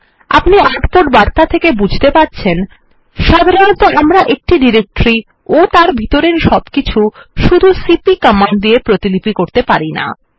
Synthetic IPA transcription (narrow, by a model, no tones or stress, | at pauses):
a̰pniaʈpoʈ̚baɾt̪at̪ʰekebud͡ʑʱt̪epaɾt͡ɕʰen | ʃad̪ʱaɾonot̪oʔamɾaʔek̚ʈiɖiɾek̚ʈɾi | ot̪aɾbʱit̪oɾeɾʃɔbkit͡ɕʰuʃud̪ʱusipikɔmand̪ijepɾot̪ilipikoɾt̪epaɾina̰